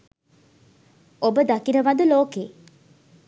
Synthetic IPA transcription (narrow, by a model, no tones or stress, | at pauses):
obəd̪akiɾəʋɐd̪uloːkeː